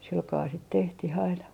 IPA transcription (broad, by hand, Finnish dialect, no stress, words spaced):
silkɑː sit tehtih ɑinɑ